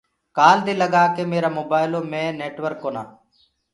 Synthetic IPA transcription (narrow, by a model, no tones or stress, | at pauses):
kaːld̪iːləɡaːkeːmeːɾaːmoːbaːɪloːmẽːneːʈʋəɾkːoːna̰ː